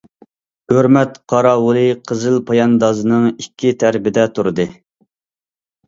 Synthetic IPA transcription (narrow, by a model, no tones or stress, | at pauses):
høɾmɛt̪qʰɑɾɑwulˠɨqʰəzɨlpʰɑjɑnd̪ɑzɨnɨŋikʲʰːit̪ʰæɾbɪd̪ɛt̪ʰuɾɨd̪ɨ